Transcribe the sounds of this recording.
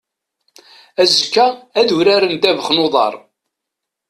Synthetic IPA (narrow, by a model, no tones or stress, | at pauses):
æzkːææðuɾæɾənd̪ævəχnoðˤɑ̰ɾˤ